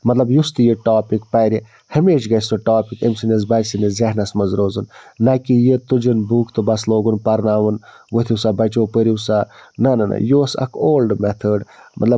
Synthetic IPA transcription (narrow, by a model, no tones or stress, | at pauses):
mɐt̪lɐbjust̪ijiʈaːpikpɐːɾi | hɐmeːʃɡɐsoʈaːpikəmsɨnɐz̬bɐd͡ʒsinizɐhnɐsmɐzɾoːzɨnːakijət̪ud͡ʒɐnbuːkʰt̪ɨbɐsloːɡunpɐɾnaːʋɐn | wət̪ʰʲisabɐt͡ʃoːpəɾisanɐnɐnɐ̰joːsɐ̰kʰoːlɖmɛt̪ʰəɖmɐ̰t̪lɐ